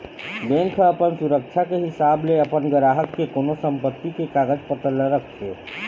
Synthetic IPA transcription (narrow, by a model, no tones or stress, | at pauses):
b̪enkʰəəpənsuɾək̚t͡ʃʰakeɦisableəpənɡəɾaɦət̪kekonosəmpət̪ːikekaɡəd͡ʒpət̪əlːəɾəkʰt͡ʃʰɛ̰